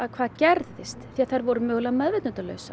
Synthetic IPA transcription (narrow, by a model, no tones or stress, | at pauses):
aðkʰvaːðcɛɾðɪst̪θiaðθajɾvɔɾʏmœːɣlaðmɛðvɛt̪nœnt̪alœ̰ːɥsa